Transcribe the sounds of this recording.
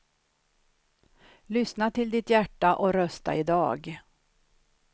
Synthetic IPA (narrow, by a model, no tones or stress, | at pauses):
lʏsnat̪ʰɪld̪ɪt̪jæʈːaʔɔɾœst̪a̰ɪd̪ɑːɡ